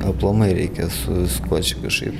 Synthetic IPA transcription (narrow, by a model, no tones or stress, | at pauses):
ɐplˠomɐɪɾʲɛɪkʲɛsʊskoːt͡ʃʲɪkɐʃkɐɪp